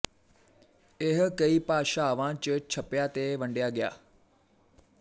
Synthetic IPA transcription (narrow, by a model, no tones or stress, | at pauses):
ɪɦkəiːpaːʃaːʋãt͡ʃət͡ʃʰəpjaːt̪eʋə̃ɳɖjaːɡɪja̰ː